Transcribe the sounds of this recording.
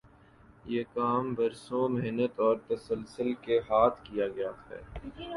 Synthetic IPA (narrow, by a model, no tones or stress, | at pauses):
jeːkaːmbɐɾsõmɪɦnət̪ɔːɾt̪ɐsəlsəlkeɦaːt̪ʰkijaɡɐjaxɛ̰ːɾ